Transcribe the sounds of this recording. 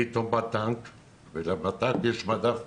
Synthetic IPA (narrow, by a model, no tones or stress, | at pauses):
it̪ombat̪ãŋk | velabat̪akeʃmad̪af